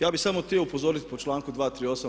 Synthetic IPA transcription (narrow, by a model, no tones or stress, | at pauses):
jaːbisamot̪ioupozoːɾit̪pot͡ʃlaːŋkud̪ʋaːt̪ɾiːo̞ːsa